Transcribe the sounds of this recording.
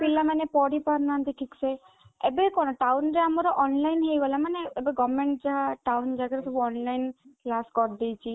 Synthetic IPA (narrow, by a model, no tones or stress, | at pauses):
pilamanepɔɽipaɾnaːnt̪iʈʰikse | ebekɔñɔʈawnɾeamɔɾɔʔɔnlajnɦejɡɔlamaneːbeɡɔmeɳʈd͡ʒaɦaʈawnd͡ʒaɡaɾesɔbuɔnlajnlaskɔɾd̪ejt͡ʃʰi